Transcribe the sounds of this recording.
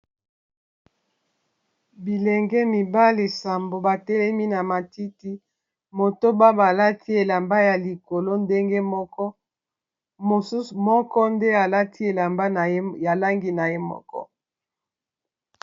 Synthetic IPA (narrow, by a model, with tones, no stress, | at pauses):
bi˨lɛ˨ŋɡɛ˦mi˨ba˦li˨sa˨mbo˨ba˨tɛ˦lɛ˦mi˦na˨ma˨ti˦ti˦ | mo˨to˦ba˦ba˨la˦tʰi˦e˨la˨mba˦ja˨li˨ko˨lo˦nde˦ŋɡe˦mɔ˦kɔ˦ | mo˨su˦su˨mɔ˦kɔ˦nde˦a˨la˦tʰi˦e˨la˨mba˦n˨˦ja˨la˦ŋɡi˦na˨je˦mɔ̰˦kɔ̰˦